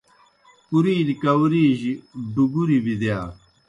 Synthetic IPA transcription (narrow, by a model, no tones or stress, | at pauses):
puɾiːlikɐwɾiːʑiɖuɡuɾibid̪jaː